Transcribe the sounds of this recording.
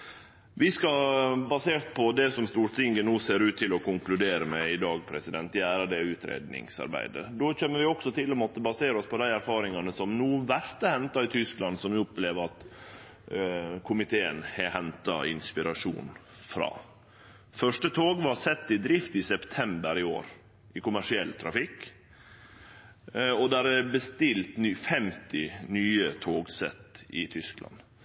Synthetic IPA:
ʋɪskɑbɑseːɾt̪pʰɔd̪ɛsɔmst̪uːɾt̪ɪŋɡənuːseːɾʉːt̪ʰːɪlɔkʊŋklʉd̪eːɾəmɛɪd̪ɑːɡpʰɾɛsɪd̪ɛnt̪æːɾɑd̪ɛʉːt̪ɾḛːd̪nɪ̰ŋsɑ̰ɾbæ̰ɪd̪ə̰d̪oçøːmːəʋɪɔksɔt̪ʰɪlɔmɔt̪ːəbɑseːɾəɔspʰɔd̪æɪæɾfɑːɾɪŋɑnəsɔmnuːʋæɾt̪əhɛnt̪ɑɪt̪ʰʏsklɑnd̪sɔmʋɪɔpːleːʋəɑt̪ | kʰʊmɪt̪ʰeːə̰nhɛɦɛnt̪ɑ̰ɪ̰nspɪɾɑʂṵːn | fɾɑ̰ː | fœʂʈət̪ʰoːɡʋɑsɛt̪ːɪd̪ɾɪft̪ɪsɛpt̪ʰɛmbəɾɪo̰ːɾ | ʔɪkʊmæʂɪɛlːt̪ʰɾɑ̰fɪkː | ɔd̪æɾɛbəst̪ɪlt̪nːfɛmt̪ɪnyːət̪ʰoːɡsɛ̰t̪ːɪ̰t̪ʰʏsklʔɑ̰n

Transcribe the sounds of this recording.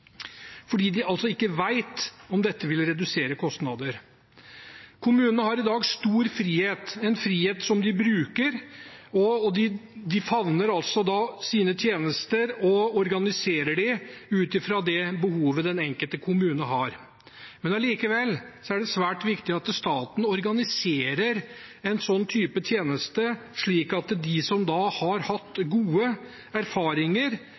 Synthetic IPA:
fɔɖiːd̪ɪʔɑlt̪sɔɪkːəʋæɪt̪ɔmd̪ɛt̪ːəʋɪlɾɛd̪ʉseːɾəkʰɔst̪nɑd̪əɾ | kʰʊmʉːnənəhɑɾɪd̪ɑːɡst̪uːɾfɾiːheːt̪ɛnfɾiːheːt̪sɔmd̪ɪbɾʉːkəɾɔd̪ɪd̪ɪfɑʋnəɾɑlsɔd̪ɑsiːnət̪ʰjeːnəst̪əɾɔɔɾɡɑnɪseːɾəɖɪʉːt̪ɪfɾɑd̪ɛbəhuːʋəd̪ɛnɛŋkəlt̪əkʰʊmʉːnəɦɑɾ | mɛnɑliːkəʋɛlːsɔæɖɛsʋæːʈʋɪkt̪ɪɑt̪st̪ɑːt̪n̩ɔɾɡɑnɪseːɾəɾ | ɛnsɔnːt̪ʰyːpət̪ʰjeːnəst̪əʂɭiːkɑt̪d̪ɪsɔmd̪ɑhɑɾhɑt̪ːɡuːə | æɾfɑːɾɪŋəɾ

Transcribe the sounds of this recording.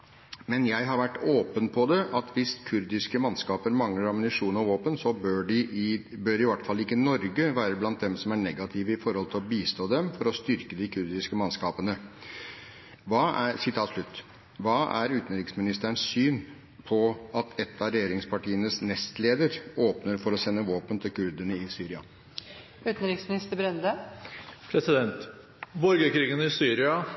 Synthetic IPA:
mɛnjæɪɦɑɾʋæʈːoːpənpʰɔd̪ɛʔɑt̪ʰʋɪskʰʉɾd̪ɪskəmɑnskɑːpəɾmɑŋləɾɑmnɪʂuːnɔʋoːpənsɔbøɖɪbøːɾɪʋɑʈːfɑlːɪkːənɔɾɡəʋæːɾəblɑnt̪̚d̪ɛmsɔmæɳɛɡɑt̪ʰɪʋəɪfɔɾhɔlt̪ʰɪlɔbiːst̪oːd̪ɛmfɔɾɔst̪ʏɾkəd̪ɪkʰʉɾd̪ɪskəmɑnskɑːpənə | ʋɑːæɾsɪt̪ʰɑːt̪ʂɭʉt̪ː | ʋɑːʔæɾʉːt̪nɾɪksmɪnɪst̪əənssyːn | pʰɔɑt̪ʰɛt̪ʰːɑɾɛjeːɾɪŋspʰɑʈiːənəsnɛst̪leːd̪əɾoːpnəɾfɔɾɔsɛnːəʋoːpənt̪ʰɪlkʰʉɾd̪ənəɪsyːɾɪɑ̰ | ʉːt̪n̩ɾɪksmɪnɪst̪əbɾɛnd̪ə | pʰɾɛsɪd̪ɛnt̪ | bɔɾɡəkɾiːɡənɪsyːɾɪɑ

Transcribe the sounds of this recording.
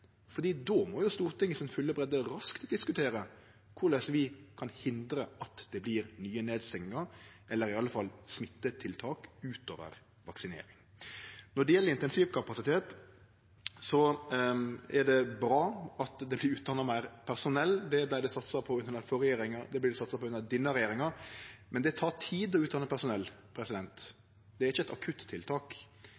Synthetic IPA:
fɔɾd̪iːd̪ɔmɔjʊst̪uːɾt̪ʰɪŋːəsɪnfʉlːəbɾɛd̪əɾɑskt̪d̪ɪskʉt̪ʰeːɾə | kʰʊɾlɛsʋɪkʰɑnhɪnd̪ɾəɑt̪d̪̥ɛblɪɾnyːəneːd̪st̪ɛŋəɾʔɛlːəɾɪɑlːəfɑlsmɪt̪ːət̪ʰɪlt̪ʰɑːkʉːt̪o̰ːʋə̰ɾ | ʋɑksɪnḛːɾɪŋ | nɔɖɛjɛlːəɾɪnt̪ɛnsiːʋkʰɑpɑsɪt̪ʰeːt̪ | sɔ | ɛɖɛbɾɑːɑt̪d̪ɛblɪɾʉːt̪̚d̪ɑnːɑmæɪɾpʰæɾsʊnɛlːd̪ɛblæɪɖ̪ɛsɑt̪sɑpʰɔʉnnɑfɔɾɛjeːɾɪŋɑɾd̪ɛblɪdɛsɑt̪sɑpɔʉnːɑd̪ɪnːəɾɛjeːɾɪŋɑɾmʔɛnd̪ɛt̪ʰɑːʈʰiːd̪ɔʉːt̪̚d̪ɑnəpʰæɾsʊnɛlːpʰɾɛsɪd̪ɛnt̪ | d̪ɛæɾɪçːəɛt̪ɑkʰʉt̪tʰːɪlt̪ʰɑːk

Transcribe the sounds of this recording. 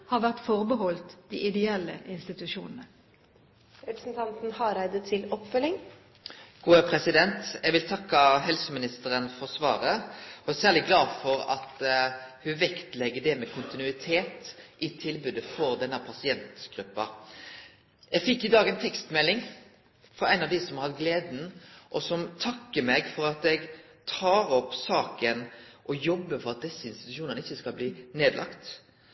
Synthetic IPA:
hɑːʋæʁt̪fɔʁbəɦɔlt̪d̪̥iːʔɪd̪ɛɛlːəʔɪnst̪ɪt̪ʉʃuːnən̩ə | ɾɛpɾəsn̩t̪ʰɑnt̪n̩hɑɾæɪd̪ət̪ʰɪlɔpfœlɪŋ | ɡ̥uːəpʰɾɛsɪd̪ɛnt̪jɛɡʋɪlt̪ʰɑkːɑɦɛlsəmɪnɪst̪əɾənfɔʁsʋɑ̰ːʁəɔæsæːʁlɪɡlɑːd̪fɔʁɑ̰t̪hʉʋɛkt̪lɛɡːəɖ̪ɛmɛkʰʊnt̪ɪnʉɪt̪ʰeːt̪ʔɪt̪ʰɪlbʉd̪əfɔɾd̪ɛnːəpʰɑsɪɛnt̪ɡ̥ɾʉpːɑ̰ | ɛɡfɪkːɪd̪ɑːɡɛɪnt̪ʰɛkst̪mɛlːɪŋ | fɔɾæɪnɑʋd̪ɪsɔmhɑt̪ɡleːd̪n̩ʔɔsɔmt̪ʰɑkːəmɛɡfɔɾɑt̪ɛɡ | t̪ʰɑːɾɔpːsɑːkənʔɔjɔbːəfɔɾɑt̪̚d̪ɛsːəɪnst̪ɪ̥t̪ʉʂuːnənəɪçːəskɑlbliːneːd̪lʔɑ̰kt̪

